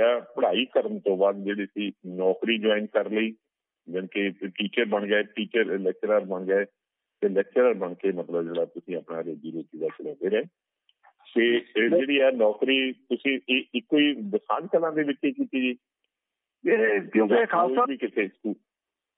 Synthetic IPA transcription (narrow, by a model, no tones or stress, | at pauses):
aːpəɽ̤aːiːkəɾəɳt̪õːbaːd̪̚d͡ʒeːɽiːsiːnɔːkɾiːd͡ʒɔːɪnkəɾliː | d͡ʒɪnkeːʈiːt͡ʃəɾbəɳɡaeːʈiːt͡ʃəɾlɛːk̚t͡ʃəɾaɾbəɳɡːeː | t̪elɛːk̚t͡ʃəɾəɾbəɳkeːmət̪ləbd͡ʒeːɽaːt̪ʊsĩːəpnaːɾeːd͡ʒiːɾoːt͡ʃiːd̪aːt͡ʃəlɔ̃ːd̪eːɾɛː | t̪eːeːɽiːɛːnɔːkɾiːt̪ʊsĩːɪkːoːiːd̪ɪsaːd͡ʒkəlãːd̪eːʋɪt͡ʃeːkiːt̪iːd͡ʒiː | kjõːd͡ʒkʰaːʋiːkɪt̪ʰeːskuːl